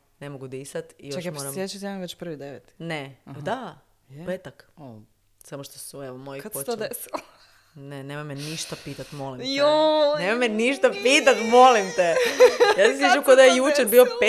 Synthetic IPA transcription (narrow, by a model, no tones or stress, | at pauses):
nemoɡud̪isat̪ḭjoaʃmoɾasmeet͡ʃut̪jammʋet͡ɕpr̩ʋid̪eʋet̪i̥ned̪a | pet̪ak | samoʃt̪osueʋomojikap̪ood̪esilo | nenemameniʃt̪apiːt̪at̪mo̞limjonemameniʃt̪apit̪at̪mo̞limt̪ejasesit͡ʃukod̪ajejut͡ʃeɾbio̞pe